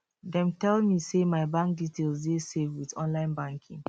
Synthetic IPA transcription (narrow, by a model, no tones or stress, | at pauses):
dɛ̃mtɛlmisemaɪbãŋk̚ditʰelzdesevwitɔ̃nlãɪ̃nbãŋkʰḭ̃ŋ